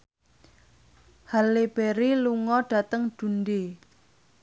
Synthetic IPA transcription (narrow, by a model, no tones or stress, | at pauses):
haleb̥eɾiluŋɔɖ̥ä̤t̪əŋd̥ṳnde